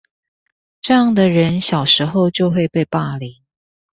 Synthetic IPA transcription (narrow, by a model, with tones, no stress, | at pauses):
ʈ͡ʂɤ˥˧jɑ˥˩ŋd̪ə˨ɻə˧˦nɕjɑ˨˩ʊʂɻ̩˧˥˦xo˥˧ʊt͡ɕjo˥˧ʊxwe˥˧ɪpe˥˧ɪpa˥˩li˨˦ŋ